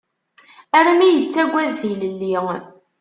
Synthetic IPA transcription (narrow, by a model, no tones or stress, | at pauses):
æɾamijət͡sːæɡʷːæðːiləlːi